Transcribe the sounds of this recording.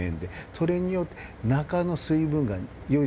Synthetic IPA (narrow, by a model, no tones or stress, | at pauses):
ḛ̃nd̪e̞so̞ɾe̞ɲ̟ijo̞t̪ːenakano̞sɨibɯ̟̃ŋɡa | jo̞i